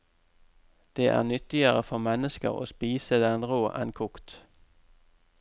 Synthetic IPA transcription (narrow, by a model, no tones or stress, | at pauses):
d̪̥eːʔæ̰ːʁnʏt̪ɪəʁəfɔʁmɛnəskə̰ʁo̰ːspiːsəd̪ɛnʁoːʔæ̰nkʰʊkt̪